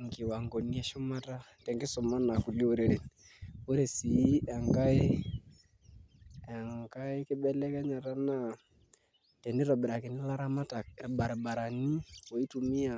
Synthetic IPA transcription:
ŋɡɪ˨wa˨ŋɡɔ˨ni˦ɛ˨˦ʃʊ˦ma˦ta˦tɛ˨ŋɡɪ˦sʊ˨ma˦na˨ku˨li˦o˦ɾe˨ɾe˨n | o˦ɾe˨si˨i˦a˨ŋɡa˦ɪ˦ | ɛ˨ŋɡa˦ɪ˦kɪ˦bɛ˦lɛ˦kɛ˦ɲa˨ɾa˦na˦ | tɛ˨nɪ˦ɾɔ˨bɛ˨ɾa˨kɪ˨nɪ˦la˦ɾa˦ma˦ta˨k̚ɾba˨ɾba˨ɾa˨ni˦wɔ˨i˦tu˨mi˦a˨

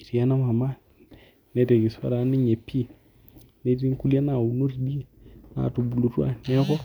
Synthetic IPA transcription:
i˨ɾi˨ja˦na˦ma˨ma˦ | ne˦te˨ɡi˨sa̰˦ɾa˨˦ni˦ɲe˨pʰːi˦ | ne˦ɾi˦ŋ˦ku˦la˦na˨u˨no˦ɾi˨ɗi˦˨na̰˨tu˨bu˨lu˨ɾu˦a̰˦˨ne˦ko˦

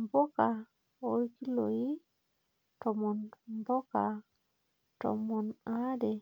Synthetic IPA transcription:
mbo˦ka˨ | o˦jki˦lo˨ji˦ | tɔ˨mɔ˨nmbo˦ka˨ | to̰˨mɔ˨na˦de˨

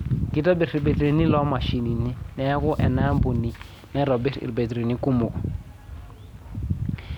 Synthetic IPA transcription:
ki˨tɔ˦bɛ˨ɾi˨be˨tre˨ni˦lɔ˨˦ma˨ʃi˨ni˨ni˦nɛ˦a˦kʊ˦ʔɛ˨na˦mbo˨ni˨ | na˦ɾɔ˨bɛ˦rḭ˨rbe˨ti˨ɾe˨ni˦ku˦mʊ˨kɔ˨

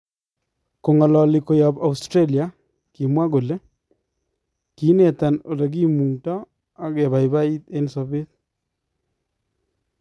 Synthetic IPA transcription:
ko˨ŋɔ˨lɔ˨lɪ˨ko˨ja˨ba˨ustɾe˦li˨a˨ | ki˨mwa˦ɡo˨le˦ | ki˨˦ne˨t̪a˨no˨le˨ɡi˦mu˨tɔ˦ | a˨ɡɛ˨βa˨jβa˦i˦t̪e˦nsɔ˨βɪ˦t̪

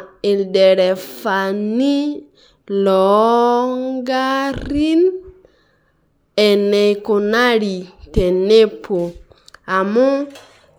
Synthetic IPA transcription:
e˨ldɛ˨ɾɛ˨fa˨ni˦ | lɔ˨ŋɡa˦ɾi˦n | ɛ˨ne˨jko˨na˦ɾi˨te˨ne˦pʰo˨ | a˨mɔ˦

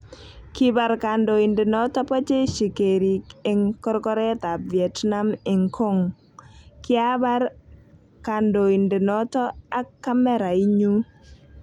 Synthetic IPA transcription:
kɪ˦ba˨ɾka˨ndo˨i˨ndɪ˨nɔ˦tɔ˦pɔ˦t͡ʃe˦ʃi˨ke˨ɾi˨kɪ˨ŋkɔ˦ɾkɔ˦ɾɛ˦ta˨vjɛ˨tna˦mɪ˨ŋkʰo˦ŋ | kɪ˦a˦ba˦ɾ | ka˨ndo˨i˨nde˨nɔ˦tɔ˦a˦kːa˦mɛ˦ɾa˨i˦ɲu˦

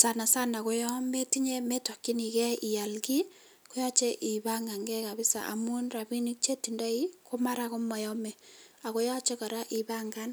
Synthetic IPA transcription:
sa˨na˨sa˦na˨ko˦jɔ˦me˦ti˦ɲe˦me˦tɔ˨kːi˦ni˨kɛ˦i˨ja˨lki˦ | ko˦jɔ˦t͡ʃe˦ʔi˨ba˦ŋɡa˨ŋɡɛ˦ka˨bɪ˦sa̰˨ʔa̰˨mu˦nra˨bi˦ni˦k̚t͡ʃe˦ti˨nda˦iko˦ma˦ɾako˦ma˨jɔ˦mɛ˨a˨ko˦ja˦t͡ʃe˦ka˨ɾa˦ʔi˨baŋɡa˦n

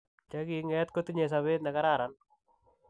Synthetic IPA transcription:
t͡ʃaɡiŋɛt̪ko˦t̪i˦ɲe˨s̬aβe˦t̪na˨ka˦ɾaɾan

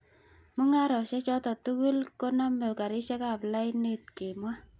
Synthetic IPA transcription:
mʊ˦ŋa˦ɾɔ˨ʃɛ˦t͡ʃɔ˦tɔ˨tu˦ku˦lko˦nɔ˦me˨ka˨ɾɪ˦ʃɛ˦ka˨pla˦ɪni˦t̚ke˨mwa˦

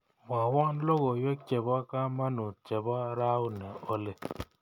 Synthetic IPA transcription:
ma˨wɔ˦nlo˦ɣɔ˨jo˦t͡ʃɛ˨bɔ˦ka˦ma˦nu˨t͡ʃɛ˨bɔ˦ɾa˦u˦nɛ˨o˦le˨

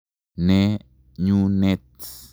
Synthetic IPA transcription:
ne˦ | ɲu˦ne˦t̪

